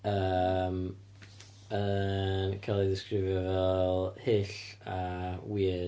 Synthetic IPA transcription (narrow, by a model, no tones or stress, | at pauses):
əm | ənkʰalˠiðɪskrɪvjɔvɛlˠhɪɬawiə